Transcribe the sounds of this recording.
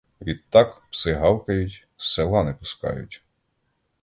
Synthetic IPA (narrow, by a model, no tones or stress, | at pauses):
ʋʲid̪t̪ːɑkpsɪɦɑwkɐjʊtʲ | selˠɑnɛpʊskɑ̰jʊ̰tʲ